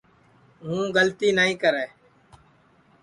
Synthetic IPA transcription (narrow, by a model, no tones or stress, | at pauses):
ɦũːɡəlt̪iːnəɦĩːkəɾeː